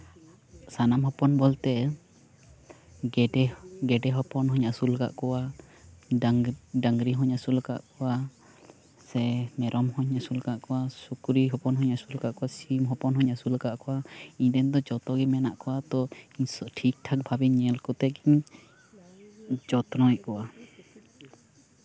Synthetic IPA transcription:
sanamɦɔpɔnbɔlt̪ɛ | ɖɛɡɛɖɛɦɔpɔnɦɔɲasulka̰ʔkɔwa | ɖaŋɡɾiɦɔɲasulka̰ʔkɔwa | sɛmɛɾɔmhɔɲasulkaʔkɔwasukɾiɦɔpɔnɦɔɲasulkaʔkɔwasimɦɔpɔnɦɔɲasulkaʔkɔwaiɲd̪ɛnd̪ɔd͡ʒɔt̪ɔɡɛmɛnaʔkɔwat̪ɔɲsɔʈʰik̚ʈʰak̚bʱabɛɲɛlkɔt̪ɛɡiɲ | d͡ʒɔt̪nɔjɛkɔwa

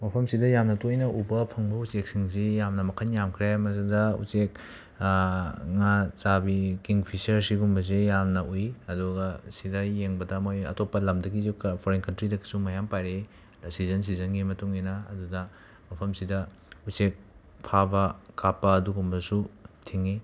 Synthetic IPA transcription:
mɐpʰɐmsidɐjamnɐtojnɐʔubɐpʰɐŋbɐut͡ʃek̚siŋsijamnɐmɐkʰɐnjamkʰɾemɐsidɐṵt͡ʃek | ŋat͡ʃabikiŋpʰisɐɾsiɡumbɐz̬ejamnɐʔujɐduɡɐsidɐjeŋbɐdɐmojɐ̰topːɐlɐmdɐɡizukpʰoɾenkɐntɾidɐɡisumɐjampajɾe | sizɐns̬izɐnɡimɐtuŋinɐːdudɐ | mɐpʰɐmsidɐ | usek̚ | pʰabɐkapːɐːduɡumbɐsutʰiŋi

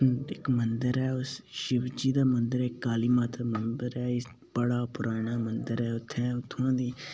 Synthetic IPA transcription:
ɪkmənd̪əɾɛːʊsʃɪʋd͡ʒiːd̪aːmənd̪əɾɛːɪkːaːliːmaːt̪amənd̪əɾɛːɪ | bəɽaːpʊɾʔaːɽ̃aːmənd̪əɾɛːʊt̪ʰːɛ̃ːʊt̪ʰːʊãːd̪iː

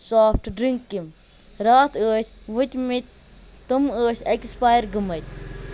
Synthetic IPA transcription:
saːfʈɖɾiŋkːim | ɾaːt̪ʰəːʃʋut̪ʲmit̪̚ʲ | t̪ɨməːʃekspaːjɾɡɨmɐt̪̚ʲ

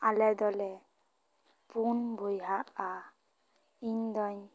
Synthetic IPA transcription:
alɛd̪ɔlɛ | punbujɦaʔa | iɲd̪ɔɲ

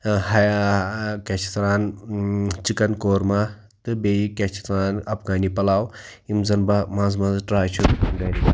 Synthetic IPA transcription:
ɦɐjakɐt͡ʃʰi̥t̪ɾaːn | t͡ʃikɐnkoːɾma | t̪ɨbejikʲɛt͡ʃʰi̥t̪ɾaːnɐpɡaːnipɐlaːwimzɐnbamãːzmãːzʈɾaːjt͡ʃʰut̪ɡɐɾibɐ

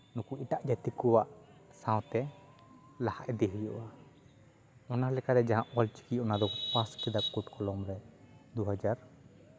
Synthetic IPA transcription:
nukuiʈaʔd͡ʒat̪ikuwaʔsãw̃t̪ɛ | lahaʔɛd̪ɛɦujɔʔa | ɔnalɛkaɾɛd͡ʒaɦãʔɔlt͡ʃi̥kiɔnad̪ɔpaskid̪akuʈkɔlɔmɾɛd̪uɦad͡ʒaɾ

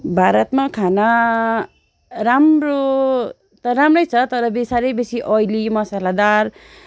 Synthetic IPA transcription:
bʱaɾʌt̪makʰana | ɾamro | t̪ʌɾamrʌjt͡sʰʌt̪ʌɾʌbesaɾʌjbesiʔʌjlimʌsalad̪ar

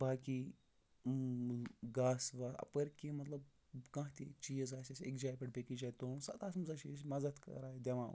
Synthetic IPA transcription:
baːki | ɡaːsʋaːɐ̰pɐɾkemɐt̪lɐb | kãɦt̪it͡ʃijzaːsʲɐsʲḛkd͡ʒaːjpʲɐʈbʲekid͡ʒaːjt̪osɐ̰t̪aːsmzɐʃisʲmɐzɐt̪kɐ̰ɾaːid̪ʲɐʋã̰ː

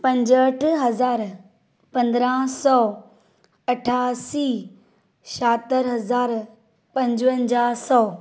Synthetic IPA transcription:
pɐ̃ɲd͡ʑəʈʰɦɐzaːɾ | pɐ̃nd̪ɾãsɔː | ɐʈʰaːsiː | ʃaːt̪əɾɦɐzaːɾ | pɐ̃ɲd͡ʑʋə̃nd͡ʑaːsɔː

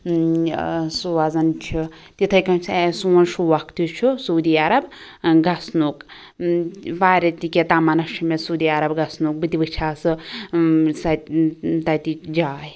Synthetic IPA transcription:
suʋazɐnt͡ʃʰi | t̪it̪ʰɐjkɐnsʰesuːnʃuʋɐkt̪ut͡ʃʰusoːd̪iːaɾɐb | ɡɐsnuːk | ʋaːɾʲɐt̪ikʲet̪aːmɐnɐt͡ʃʰumesuwd̪iːaɾɐbɡɐsnuk̚bɨt̪ibɨt͡ʃʰaːsɨ | sɐt̪ɐt̪id͡ʒaːj

